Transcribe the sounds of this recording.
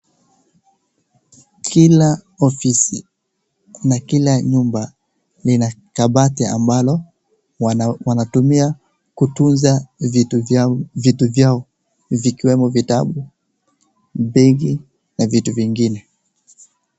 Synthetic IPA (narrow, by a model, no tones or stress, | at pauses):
kila | ɔfisi | nakilaɲumba | linakaɓatɛa̰mbalɔ | wanatumia | kutunzavi | vituvjaɔ | vikiwɛmɔvitaɓu | biɣi | navituviŋɡinɛ